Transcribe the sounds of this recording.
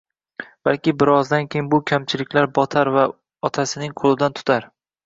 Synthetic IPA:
b̥alkʲɪbɪɾɒzd̪ankʲʰejɪnbʊkʲʰamt͡ʃʰɪlɪkʲlaɾbɒt̪ʰaɾva | ɒt̪ʰasɪnɪŋqʰolˠɪd̪ant̪ʰʊ̥t̪ʰaɾ

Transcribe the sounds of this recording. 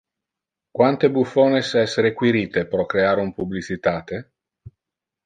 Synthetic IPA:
kwant̪ebufoːnesɛsːeɾekwiɾiːt̪epɾɔkɾeaːɾumpublit͡ʃit̪aːt̪e

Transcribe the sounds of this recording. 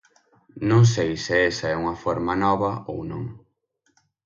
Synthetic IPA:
nõŋs̬ejsɪɛsɐɛuŋɐfoɾmɐnɔβɐownõŋ

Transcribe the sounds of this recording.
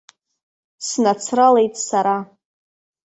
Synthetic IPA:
snat͡sʰrale̞jtʼsaɾa

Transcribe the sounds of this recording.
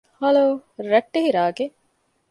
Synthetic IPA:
hɐloːɾɐʈːehiɾaːɡe

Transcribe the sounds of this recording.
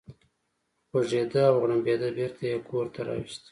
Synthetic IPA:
χoʒed̪aawɣɳambed̪abiɾt̪ʰajekʰoɾt̪aɾɑ̰wist̪

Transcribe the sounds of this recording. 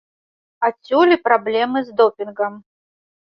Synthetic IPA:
at͡sʲulʲipɾablʲɛmɨzd̪ɔpʲinɡɐm

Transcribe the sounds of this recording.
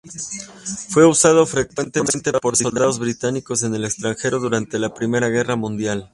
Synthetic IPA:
fwe̞usað̞o̞fɾe̞kwe̞nt̪e̞mẽ̞nt̪e̞po̞ɾd̪iold̪aðo̞zβɾit̪aniko̞se̞ne̞le̞kst̪ɾaŋxe̞ɾo̞ðuɾant̪e̞lapɾime̞ɾaɣ̞e̞ramũnd̪jal

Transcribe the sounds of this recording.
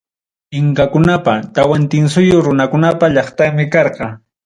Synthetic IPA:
ɪŋkakʊnapat̪awant̪ɪns̬ʊjoɾʊnakʊnapaʎɑχt̪aŋmɪkɑɾqɑ

